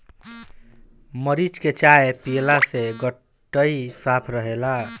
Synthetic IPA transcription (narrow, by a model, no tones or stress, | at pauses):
məɾit͡ʃket͡ʃaepilaseɡəʈː | əisapʰɾəɦela